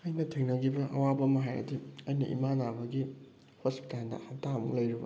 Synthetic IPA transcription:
ɐjnɐtʰiŋnɐɡibɐʔɐ̰wabɐmɐɦajɐ̰diɐjnḭʔḭmanabɐɡi | hospi̥talnɐ̰hɐtamɐŋlɐjɾibɐ̰

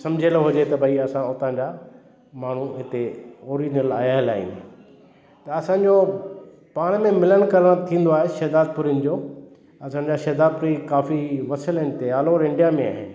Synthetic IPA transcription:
sɐ̃md͡ʑʱeloɦʊd͡ʑet̪ɐbʱɐiɐsãʊt̪ãːɲd͡ʑaː | maːɳ̤uɦɪt̪eoːɾid͡ʑnəla̰ːjaːɪ̃la̰ːḭ̃ | t̪ɐɐsãːɲd͡ʑo | paːɽ̃mẽmɪləɽ̃kɐɾəɽ̃t̪ʰĩːnd̪oaːɦeʃɛːd̪aːd̪̚pʊɾin̆d͡ʑoː | ɐsãːɲ̆d͡ʑaːʃɐːd̪aːd̪̚pʊɾikaːfiʋɐsəlɪ̃nɪt̪eaːloɾɪ̃ɳɖijamẽa̰ːɦɪ̰nɪ̆

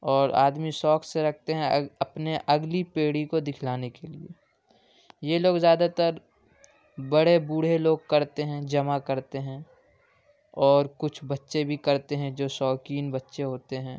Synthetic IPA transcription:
ɔːɾa̰ːd̪misɔːkseɾɐk̚ʰt̪eɦɛ̃ɐpneʔɐɡlipeːɽ̤ikod̪ɪkʰlaːnekeliḛ | jeloːɡzjaːd̪at̪əɾ | bɐɽebuɽ̤eloːɡ̚kɐɾt̪eɦɛ̃d͡ʒɐmakɐɾt̪eɦɛ̃ | ɔːɾkʊt͡ʃʰbɐtːʃebʱikɐɾt̪eɦɛ̃d͡ʒoːsɔːkiːnbɐtːʃeɦoːt̪eɦɛ̃ː

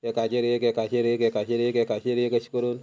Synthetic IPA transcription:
kɛkat͡ʃeɾekɛkat͡ʃeɾekɛkat͡ʃeɾekɛkat͡ʃeɾjekat͡ʃi̥koɾon

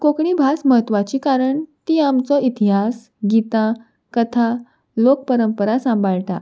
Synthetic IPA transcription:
kokɳibʱasməɦət̪ːʋat͡ɕikaɾəɳt̪iamt͡sɔit̪iɦas | ɡit̪ã | kət̪ʰa | lok̚pəɾəmpəɾasãmbʱaɭʈ̪a̰

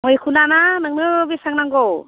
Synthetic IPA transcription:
mojkʰunananaŋnɯbisaŋnaŋɡɔw

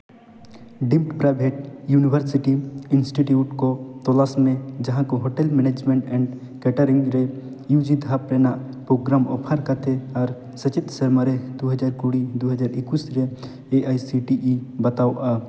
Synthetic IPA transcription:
ɖimʈpɾajbʱeʈ̚junibʱəɾsiʈiinsʈiʈjuʈkɔt̪ɔlasmɛ̃d͡ʒɐɦãkɔɦoʈɛlmɛned͡ʒmɛ̃ɳʈɛ̃ɳɖ | kɛʈəɾiŋɡɾɛ | jud͡ʒid̪ʱapɾɛnaʔ | pɾoɡɾamɔ̰pʰəɾkat̪ʰɛaɾ | sət͡ʃit̪sɐɾmaɾɛd̪oɦəd͡ʒaɾkoɽid̪oɦəd͡ʒaɾɪkusɾɛ | eʔajsiʈiʔibɐt̪awʔa

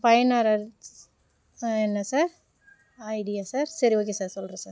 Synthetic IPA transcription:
pɐjɐnaːɾɐɾ | ɛnːɐsaːɾ | ɐɪɖɪjaːsaːɾsɐɾiʋoːk̬ːeːsaːɾsɔlɾɐ̃saːɾ

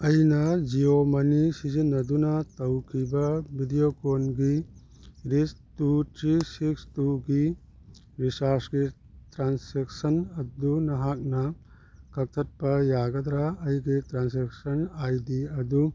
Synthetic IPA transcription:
ɐjnɐd͡ʒiomɐnisizinːɐdunɐtɐwkʰibɐbʱidijokonɡi | ɾistutɾisikstuɡi | bisasɡi | tɾansek̚sɐnɐd̪unɐɦak̚nɐ | kɐk̚t̪ʰɐt̚pɐjaɡɐd̪ɾaɐjɡitɾanseksɐnajdiɐd̪u

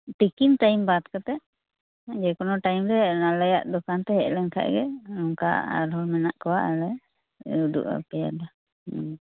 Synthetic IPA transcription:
t̪ikint̪ajmbat̪kɔt̪ɛʔ | d͡ʒɛkɔnɔʈajmɾɛnalɛjaʔd̪ɔkant̪ɛɦɛʔlɛŋkʰa̰ʔɡɛɾɔŋka̰a̰ɾɦɔlmɛnaʔkɔwaʔɛlɛ | uɖṵʔa̰pɛja̰la

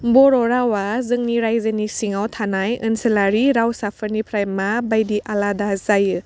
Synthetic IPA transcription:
bɔɾɔɾawazɯŋniɾajzɯnisiŋawt̪ʰanajɯnselaɾiɾawsapʰəɾnipʰɾajmabajdiʔaladazajɯ

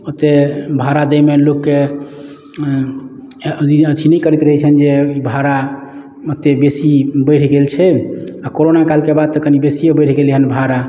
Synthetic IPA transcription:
ət̪ːebʱaɾad̪əjmelokːe | iəd̪ʱʰinɛkəɾit̪ɾəɦɛt͡ʃʰənd͡ʒeibʱaɾa | ət̪ːebesibəjʈʰɡelt͡ʃʰɛakoɾonakalkebad̪̚t̪əkʰənibesijobəjʈʰɡeleɦənbʱaɾa

